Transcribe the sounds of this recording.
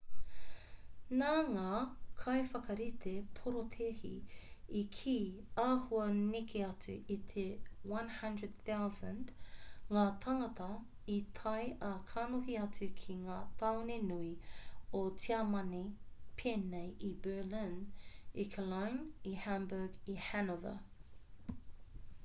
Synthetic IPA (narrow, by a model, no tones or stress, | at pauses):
naːŋaːkʰɐjfɐkɐɾit̪ʰepʰoɾot̪ʰehḭikʰiː | aːhuɐnekʰeɐt͡sʉʔit̪ʰewɐ̃nhɐndɹəd̪̚θawzə̃ndŋaːt̪ʰɐŋɐt̪ɐ | it̪ʰɐjʔɐkʰaːnohiɐt͡sʉkʰiŋaːt̪ʰɐwnenuiot͡siɐmɐnepʰeːnejʔibə˞lɪ̃nikʰəlajnihæmbəɡihænovə̰